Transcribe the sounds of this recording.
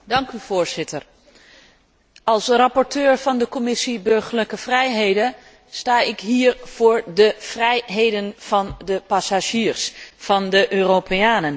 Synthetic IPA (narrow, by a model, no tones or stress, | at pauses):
dɑŋkyv̥ʊːɹz̥ɪtəɹ | ɑlˠsrɑpɔɹtøːɹvɑndəkɔmɪsibɵɹχəɹləkəvrɛjɦejdə | staːɪkɦiːɹv̥ʊːɹdəv̥rɛjɦejdənv̥ɑndəpasaʒiːɹsfɑndəʔøːropeaːnən